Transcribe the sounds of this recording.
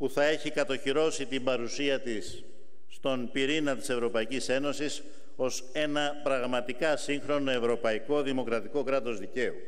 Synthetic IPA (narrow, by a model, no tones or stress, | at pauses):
puθɐe̞çikɐt̪o̞çiɾo̞sit̪imbɐɾusiɐt̪isː | t̪o̞npiɾinɐt̪i̥se̞vɾo̞pɐicise̞no̞sis | o̞s | e̞nɐpɾɐɣmɐt̪ikɐsiŋxɾo̞no̞e̞vɾo̞pɐiko̞ðimo̞kɾɐt̪iko̞kɾɐt̪o̞zðice̞u